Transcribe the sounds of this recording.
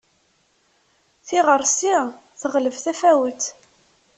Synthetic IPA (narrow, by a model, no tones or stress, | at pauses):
θiʁəɾˤsi | θəʁləvθæfæwət̪